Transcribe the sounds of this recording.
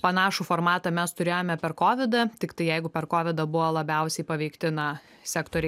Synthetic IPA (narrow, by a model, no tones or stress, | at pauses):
pɐnɑːʃuːfoːɾmɑːt̪ɐmʲɛst̪ʊɾʲeːjoːmʲɛpʲɛɾkoːʋʲɪd̪ɐt̪ʲɪkt̪ɐɪjɛɪɡʊpʲɛɾkoːʋʲɪd̪ɐbʊʋɐlˠɐbʲɛʊsʲɛɪpɐʋʲɛɪkt̪ʲɪnɐ | sʲæːkt̪oːɾʲɛɪ